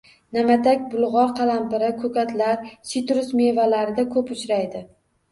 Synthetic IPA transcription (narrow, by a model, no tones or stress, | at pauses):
namat̪ʰakʲbʊlˠʁɒɾqʰɑlampɪɾɪkʰɵkʲʰat̪laɾsit̪ɾʊsmevalaɾɪd̪akʰɵpʊt͡ʃɾajd̪ɪ